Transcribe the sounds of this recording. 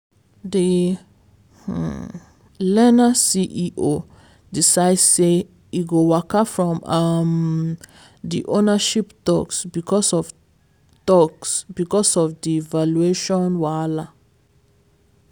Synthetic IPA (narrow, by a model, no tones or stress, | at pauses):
di | lɛnasiʔiʔo | disaɪdse | iɡowakafɹɔ̃mam | dḭʔonaʃiptɔksbikʰɔsɔv | tɔksbikɔsɔfdivalueʃɔ̃nwala